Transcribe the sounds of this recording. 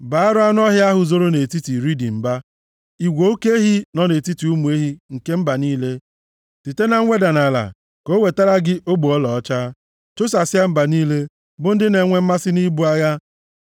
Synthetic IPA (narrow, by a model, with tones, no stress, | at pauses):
ba˨a˦ɾʊ˦a˦n˦ɔ˦ɦja˦a˦ɦʊ˨zo˦ɾo˦ne˨ti˦ti˨ɾi˦di˨m̩˨ba˦ | i˨ɡʷo˨o˦ke˦e˦ɦi˦nɔ˦ne˨ti˦ti˨u˦mu˨e˦ɦi˦ŋ̩˨ke˦m̩˦ba˨niː˦le˦ | ti˨te˦na˨ŋ̩ʷ˦e˦da˨na˨la̰˨ | ko˦we˨ta˦ɾa˦ɡɪ˦ʔo˦ɡ͡bu˨ɔ˦lɔ˨ɔ˦t͡ʃaː˦ | t͡ʃo˦sa˨sɪ˦a˦m̩˦ba˨niː˦le˦ | bʊ˦n̩˦dɪ˦ne˨ŋʷe˦m̩˦ma˦sɪ˦ni˦bu˦a˦ɣa˦